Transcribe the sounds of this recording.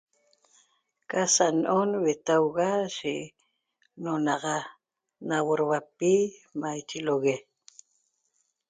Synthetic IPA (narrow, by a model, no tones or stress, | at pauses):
kasanʔonwet̪awɣaʃeʔ | nonɑʁɑ | nawoɾwapimajt͡ʃiloɣe